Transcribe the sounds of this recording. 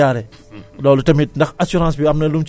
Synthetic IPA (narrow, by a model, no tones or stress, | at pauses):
aːɾɛ | dɔːlutɐmit̚ndɐxɐsuɾãːsbiɐmnɐlumt͡ʃ